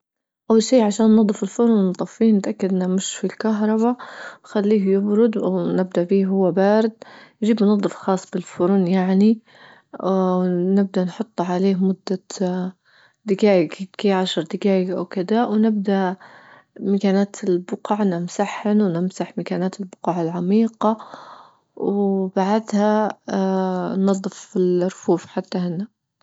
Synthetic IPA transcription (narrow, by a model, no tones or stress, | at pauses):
ʔawːalʃiːʕaʃaːnːɑd̪ˤːɨfɪlfʊɾnnt̪ˤːɑfːiːhnɪt̪ʔakːad̪ʔɪnːamɪʃfilkaɦɾˤɑbaxalːiːhjɪbɾʊd̪nɪb̚d̪aʔfiːɦʊwːabaːɾɪd̪̚jd͡ʒiːbmnɑðdˤːɨfxɑːsˤːb̥ɪlfʊɾnjaʕni | nɪb̚d̪anħʊt̪ˤːʕaleːhmʊd̪ːa | d̪ɪkaːjkkeːʕaʃɑɾˤd̪ɪkaːʕiʔa̰wkɪd̪awnɪb̚d̪aʔ | makaːnaːt̪ʰɪlbʊqɑʕnɪmsaħhɪnwnɪmsaħmakaːnaːt̪ɪlbʊqɑːʕalʕamiːqɑ | wbaʕad̪ha | nɑðˤːɨfɪlɾfuːfħat̪ːahɪnːa